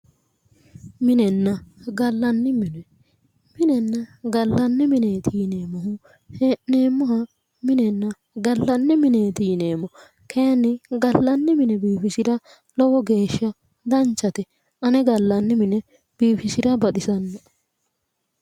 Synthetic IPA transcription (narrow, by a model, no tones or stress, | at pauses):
mɪnɛnːɐɡɐlːɐnːɪmɪnɛ | mɪnɛnːɐɡɐlːɐnːɛmɪneːt̪ʰiːne̞ːmɔɦʊ | heːʔneːmːɔɦɐ | mɪnɛnːɐ | ɡɐlːɐnːɪmɪneːt̪iːneːmːɔ | kʰeːnːɪɡɐlːɐnːɛmɪnɛbiːfɪsɪɾɐ | lɔwɔɡe̞ːʃːɐ | d̪ɐnt͡ʃːɐt̪ɛ | ʔɐnɛɡɐlːɐnːɛmɪnɛ | b̥iːfɪsɪɾɐbɐt̪ʼɪsɐnːɐ